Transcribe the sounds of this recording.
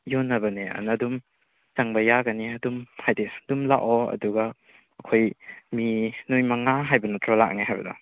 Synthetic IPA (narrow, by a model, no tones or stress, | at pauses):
jonːɐbɐneɐ̰nɐdum | t͡ʃaŋbɐjaɡɐniɐdumhʰajdesdumla̰ʔɔɐ̰duɡɐ | ɐkʰojminujmɐŋaɦajbɐnɐtʰɾala̰k̚niɦajbɐ̰dɐ̰